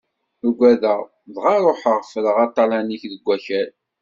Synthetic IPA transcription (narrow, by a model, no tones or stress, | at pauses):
əɡʷæðəʁ | ðʁɑɾˤoħəʁfələʁɑt̪ˤːɑlæniçðəɡʷæçæl